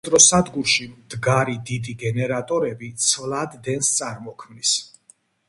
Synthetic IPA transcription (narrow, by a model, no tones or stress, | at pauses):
t̪ʼɾɔsad̪ɡuɾʃimd̪ɡaɾid̪id̪iɡɛnɛɾat̪ʼɔɾɛbit̪sʰvlˠad̪ːɛnst̪sʼaɾmɔkʰmnis